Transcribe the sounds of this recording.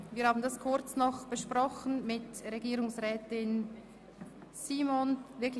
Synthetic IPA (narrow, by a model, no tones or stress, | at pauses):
viːɐhaːbn̩daskʰʊɾt͡snɔχb̥əʃpʁɔχən̩mɪtʁeɡiːɾʊŋsʁɛːtɪn | siːmonvɪɐk